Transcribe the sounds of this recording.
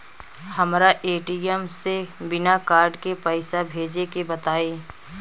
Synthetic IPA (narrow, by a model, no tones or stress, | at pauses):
hɐmɾaʔeːʈiəmsebɪnakaːɾɖkepəɪsabʱeːd͡ʒekebɐt̪aːeː